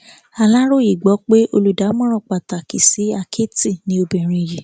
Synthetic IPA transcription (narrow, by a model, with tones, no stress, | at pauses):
a˧˨la˦ɾo˦˨ji˨ɡ͡bɔ˨˦k͡pe˦ʔo˧lu˨da˨˦mɔ̃˦ɾ̃ɔ̃˦˨k͡pa˨ta˨ki˨si˨˦a˦˧kʰe˦ti˦˨nĩ˨˦o˧bɛ˨ɾ̃ĩ˧ji˨